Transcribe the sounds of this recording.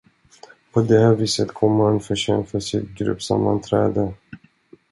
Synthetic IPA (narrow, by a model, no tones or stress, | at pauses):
pʰɔd̪ɛhæːɾviːsət̪kʰɔmːəhanfœʂɛnfasɪt̪ɡɾɵ̰pːsa̰mːa̰nt̪ʰɾɛ̰ːd̪ə